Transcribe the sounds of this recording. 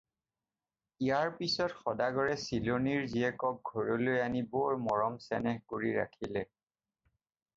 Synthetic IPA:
ijaɹpisɔtxɔdaɡɔɹɛsiloniɹziɛkɔk̚ɡʱɔɹolojanibɔɹmɔɹɔmsɛnɛxkoɹiɹa̰kʰilɛ

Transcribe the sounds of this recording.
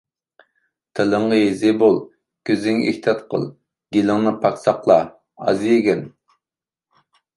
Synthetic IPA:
t̪ʰeləŋʁɑezɪbolˠ | kʲʰøzɪŋḛkt̪ʰɑt̪qʰə̰lˠ | ɡ̥ʲelɪŋnɨpʰɑkʲsɑqlˠɑ | ɑ̰zɨjekʲɛn

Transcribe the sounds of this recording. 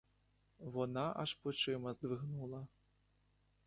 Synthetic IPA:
vɔnaʔaʂpɔt͡ʂɨmɐzd̪vɨɣnulˠɐ

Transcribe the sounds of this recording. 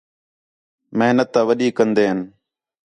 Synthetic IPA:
məɦnət̪ːãːʋəɗiːkənd̪eːɦən

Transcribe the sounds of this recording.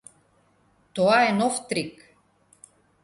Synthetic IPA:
t̪oaenɔft̪ɾik

